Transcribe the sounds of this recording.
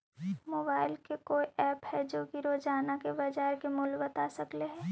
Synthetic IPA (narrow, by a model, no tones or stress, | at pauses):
moːbaːɪlkekoːiʔɛːphɛd͡ʒoːkiɾoːd͡ʒaːnakebɐd͡ʒaːɾkemʊlbɐt̪asɐkleɦɛ̃ː